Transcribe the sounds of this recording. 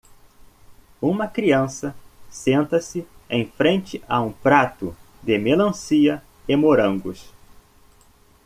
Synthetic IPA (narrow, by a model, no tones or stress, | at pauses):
ũmɐkɾiɐ̃sɐsẽnt̪ɐsɪẽj̃fɾẽnt͡ʃɪʔaũpɾat̪ʊ | d̪ɪmelɐ̃siɐ | emoɾɐ̃ŋɡʊs